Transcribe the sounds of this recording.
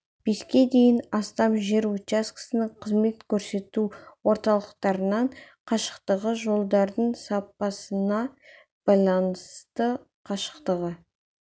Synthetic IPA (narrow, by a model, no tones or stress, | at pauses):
b̥e̞skʲe̞d̪e̞jɪnɑst̪ɑmʒe̞ɾut͡ʃaskə̥sənəɴqʰəzme̞t̪kʲʰɵɾse̞t̪uwo̞ɾt̪ɑlˠəqt̪ɑɾənɑɴqʰɑʃə̥qt̪əʁəʒo̞lˠd̪ɑɾd̪əɴsɑpːɑsənɑ | b̥ɑjlˠɑnəst̪ə | qʰɑʃə̥qt̪əʁə